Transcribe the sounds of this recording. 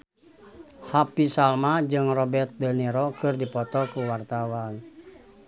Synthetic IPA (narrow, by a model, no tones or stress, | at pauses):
hapisalmad͡ʒɨŋrɔbɛrt̪̚dənɛɾɔkɨrdipɔt̪ɔkuwart̪awan